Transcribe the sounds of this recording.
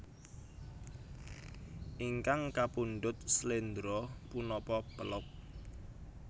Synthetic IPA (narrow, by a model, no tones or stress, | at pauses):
ʔiŋkaŋkapunɖʊt̪̚slend̪ɾɔpunɔpɔpəlʊk̚